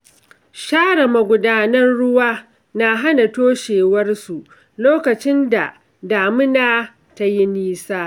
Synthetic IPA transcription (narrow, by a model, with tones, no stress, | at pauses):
ʃaː˦ɽɐ˨ma˨ɡʷʊ˦daː˦nɐ˦nɽʊ˦waː˦ | na˨ɦa˦na˨toː˦ʃeː˨wɐ˦rsu˨ʔ | loː˦kɐ˨t͡ʃɪ˦nda˨ | daː˨mɪ˦naː˦ | ta˦ji˦niː˦saː˦